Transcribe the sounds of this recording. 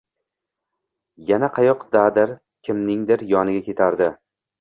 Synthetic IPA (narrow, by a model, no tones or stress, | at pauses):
janaqʰɑjɒqd̪ad̪ɪɾ | kʲʰɪmnɪŋd̪ɪɾjɒnɪɡʲakʲʰe̞t̪ʰaɾd̪ɪ